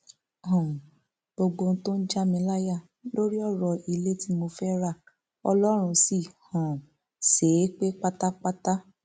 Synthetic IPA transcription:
hɔ̃˨ | bo˧ɡ͡bo˧n̩˦to˦n̩˦d͡ʒa˦mĩ˧˦la˦ja˦˨ | lo˦ɾi˦ɔ˦˨ɾɔ˧i˧le˦ti˦mo˧fɛ˦ɾa˦˨ | ɔ˧lɔ˦ɾ̃ũ˧si˦˨hã˨ | se˨˦k͡pe˦k͡pa˦ta˦k͡pa˦ta˦

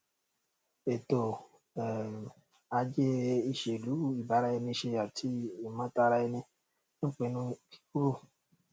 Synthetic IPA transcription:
e˨to˨ | a˧d͡ʒe˦i˧ʃe˨lu˨˦i˨ba˨˦ɾa˧˦e˧nĩ˧ʃe˧a˨tʰi˧o˨mã˨˦ta˧ɾa˧e˧nĩ˧ | ñ̩˦˨k͡pẽ˨˧˦nũ˧ki̥˦ku˦ɾo˦˨

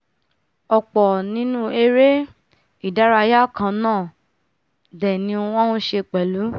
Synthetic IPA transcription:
ɔ˨k͡pɔ˨nĩ˦nũ˦e˧ɾe˦ | i˦˨da˨˦ɾa˧ja˦˨kã˧nãː˦˨ | dɛ˨nĩ˧wɔ̃˦hũ˧˦ʃe˧k͡pɛ˨lu˨˦

